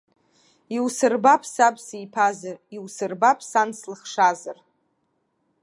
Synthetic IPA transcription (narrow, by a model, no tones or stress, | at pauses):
iwsɨrbapʰsabʰʼsijpʰazariwsɨrbapʰsanslɨχʂazar